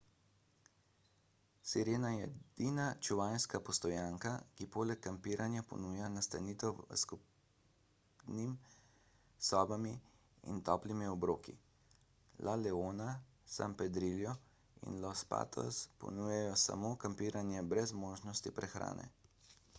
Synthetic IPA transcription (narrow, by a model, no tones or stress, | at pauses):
siɾeːnajɛd̪̥inat͡ʃuʋajnskapɔst̪ɔjaːŋkakipoːlɛkːampiːɾʔanjapɔ̰nuːjanast̪a̰niːt̪ɛw̰skup | nim | sɔːbami | ḭnt̪ɔːplimiɔbɾoːkḭ | lʔalɛoːna | sa̰mpɛd̪ɾiljɔ | ḭnlɔspa̰ːt̪ʰɔ̰spɔ̰nuːjɛjɔsa̰moːkampiːɾanjɛbɾɛzmoːʒnɔst̪ipɾɛxɾa̰ːnɛ̰